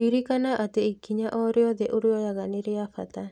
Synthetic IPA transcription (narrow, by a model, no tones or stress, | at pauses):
iɾikanaʔat̪ɛikːiɲaʔɔɾiɔd̪ɛʔuɾiɔjaɡaniɾiafat̪a